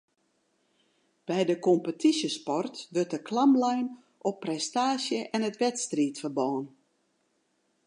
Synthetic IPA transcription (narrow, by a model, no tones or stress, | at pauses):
b̥ɛjdəkɔmpətʰisjəspɔrtʋɵrtəkʰlamlɛjn | ɔpːrɛstaːsjəʔɛnətʋɛtstriːtfərbɔːən